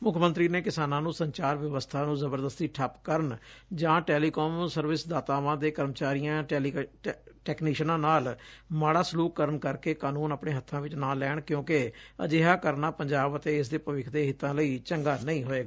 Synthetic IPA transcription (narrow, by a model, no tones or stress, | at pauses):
mʊkʰmə̃nt̪ɾiːneːkɪsaːnãːnũːsəɲt͡ʃaːɾʋjəʋəst̪ʰaːnũːzəbəɾd̪əst̪iːʈʰəpkəɾəɳd͡ʒãːʈɛːliːkɔːmsəɾʋɪsd̪aːt̪aːʋãːd̪eːkəɾmət͡ʃaːɾijãːɛiʈɛːkniːʃnãːnaːlmaːɽaːsluːkːəɾəɳkəɾkeːkaːnuːnaːpɳẽːɦət̪ʰːãːʋɪt͡ʃnãːlɛːɳkjõːkeə̰d͡ʒeːɦaːkəɾnaːpəɲd͡ʒaːbət̪eːɪs̬d̪eːpəʋɪkʰd̪eːɦɪt̪ːãːləiːt͡ʃəŋɡaːnəĩːɦoːeːɡaː